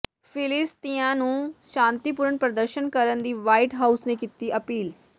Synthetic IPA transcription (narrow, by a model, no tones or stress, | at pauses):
fʰɪlɪst̪iãːnũːʃãːnt̪iːpʊɾəɳpɾəd̪əɾʃənkəɾənd̪iːʋaːiʈɦaːusnẽːkit̪iːəpiːl